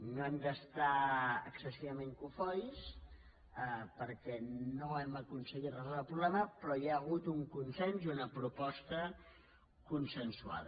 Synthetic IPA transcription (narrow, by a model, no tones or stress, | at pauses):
noɛmd̪əst̪aə̰ksəsiβəmeŋkufɔjs | əpəɾkɛnoɛməkunsəɣit̪rəzulβalˠpɾuɣlɛməpɾɔjaːɣut̪uŋkunsɛnziunəpɾupɔst̪ə | kunsənsua̰ðə